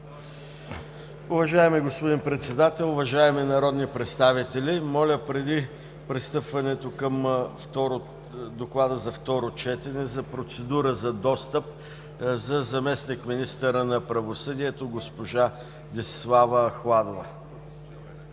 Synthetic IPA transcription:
ʊvɐʒaɛmiɡospod̪inpɾɛt̪sɛd̪at̪ɛlˠʊvɐʒaɛminɐɾɔd̪nipɾɛt̪st̪avit̪ɛlʲimɔlʲəpɾɛd̪i | pɾɛst̪ɤpvɐnɛt̪okəmft̪ɔɾo | d̪oklˠad̪əzɐft̪ɔɾot͡ʃɛt̪ɛnɛzɐpɾot̪sɛd̪uɾəzɐd̪ɔst̪əp̚ | zɐzɐmɛsnikminist̪əɾənɐpɾɐvosɤd̪iɛt̪oɡospoʒa | d̪ʲislˠavəxlˠad̪ovə̰

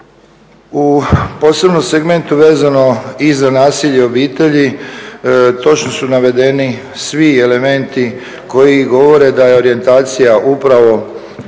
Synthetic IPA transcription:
upo̞ːse̞bno̞mseɡme̞nt̪uʋeːzano̞izanaːsiʎeo̞biːt̪e̞ʎi | t̪o̞t͡ʃno̞sunaʋe̞d̪e̞ni | sʋie̞le̞me̞nt̪i | ko̞jiɡo̞ʋo̞ɾe̞d̪aje̞o̞ɾije̞nt̪aːt̪sijaʔupɾaʋo̞

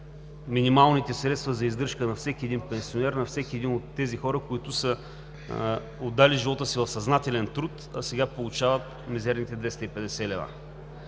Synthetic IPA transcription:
minimalˠnit̪ɛsɾɛt̪st̪vɐzɐizd̪ɤɾʃkənɐfsɛk̟ʲiɛd̪inpɛnsionɛɾnɐfsɛkʲiɛd̪inot̪ːɛzixɔɾəkoit̪ʊsə | od̪ːaliʒivɔt̪əsivɐfsɐznat̪ɛlɛnt̪ɾut̪ɐsɛɡapolˠut͡ʃavət̪ | mɛzɛɾnit̪ɛd̪vɛst̪əipɛd̪ɛsɛlɛva̰

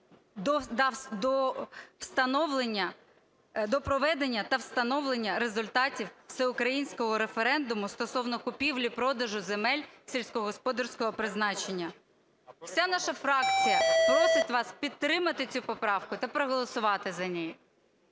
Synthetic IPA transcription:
d̪ɔd̪ɐd̪ɔwst̪ɐnɔwlˠenʲːɐ | d̪ɔpɾɔʋɛd̪enʲːɐt̪ɐwst̪ɐnɔʋlˠenʲːɐɾezʊlʲt̪ɑtʲiwsɛʊkɾɐjinʲsʲkɔɦɔɾefeɾɛnd̪ʊmʊst̪ɔsɔwnɔkʊpʲiwlʲipɾɔd̪ɐʒʊzemɛlʲsʲilʲsʲkɔɦɔspɔd̪ɐrsʲkɔɦɔpɾɪznɑt͡ʃenʲːɐ | w̥sʲanɑʃɐfɾɑk̚t͡sʲijɐpɾɔsɪtʲʋɑspʲit̪ːɾɪmɐt̪ɪt͡sʲupɔpɾɑwkʊt̪ɐpɾɔɦɔlˠɔsʊʋɑt̪ɪzɐnʲɛjʊ

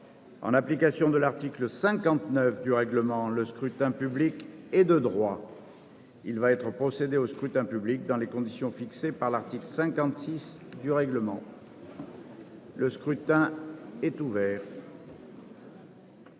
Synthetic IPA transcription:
ɑ̰̃naplikasjɔ̃d̪əlaʁt̪ikləsɛ̃kɑ̃t̪nœfd̪yʁɛɡləmɑ̃ləskχyt̪ɛ̃pyblikɛd̪əd̪ʁwa | ilvaɛt̪χəpχɔsed̪eoskχyt̪ɛ̃pyblik̚d̪ɑ̃lekɔ̃d̪isjɔ̃fiksepaʁlaʁt̪ikləsɛ̃kɑ̃t̪sisd̪yʁɛɡləmɑ̃ | ləskχyt̪ɛ̃ɛt̪uvɛːʁ

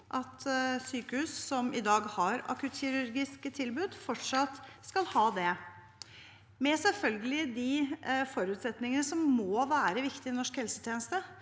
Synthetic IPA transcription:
ʔɑt̪syːkəhʉːssɔmɪd̪ɑːɡhɑɾɑ̰kʉt̪çɪɾʉɾɡɪskət̪ʰɪlbʉd̪fɔʈʂɑt̪ːskɑlhɑːd̪ɛ | mɛsɛlfœlɡəlɪd̪ifɔɾʉːt̪sɛt̪nɪŋənəsɔmːoːʋæːɾəʋɪkt̪ɪɪnɔʂkhɛlsət̪ʰjeːnəst̪ə

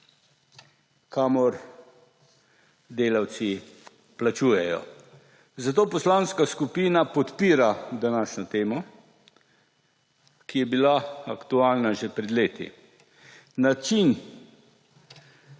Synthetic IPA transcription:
kaːmɔɾ | d̪eːlaw̪si | plat͡ʃuːjɛjɔ̰ | zat̪oːpɔslaːnskaskupiːnapɔt̪piːɾad̪anaːʃnɔt̪eːmɔ | kijɛbilaa̰kt̪uaːlnaʒɛpɾɛd̪leːt̪ḭ | nat͡ʃin

